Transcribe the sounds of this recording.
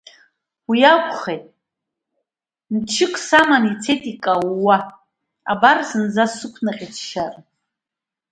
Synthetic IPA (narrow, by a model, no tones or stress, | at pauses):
wijakʷʰʼχejtʼ | mt͡ʃʰɪkʷʼʰsamanit͡sʰe̞jtʼikʼawːa | abarsɨnzasɨkʷʰnaqʲʼit͡sʰʃar